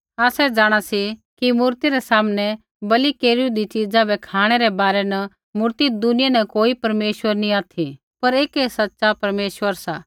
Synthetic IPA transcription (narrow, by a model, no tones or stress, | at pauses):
aːsɛd͡ʒaːɽ̃asikimuːɾt̪iɾɛsaːmnɛ | bɐlikeːɾiud̪it͡ʃiːd͡zãbɛkʰaːɽ̃ɛɾɛbaːɾɛnɐ | mʊːɾt̪id̪ʊnɪjanɛkoːipɐɾmeːʃʋəɾniaːt̪ʰi | pɐɾeːkesɐtːʃapɐɾmeːʃʋəɾsaː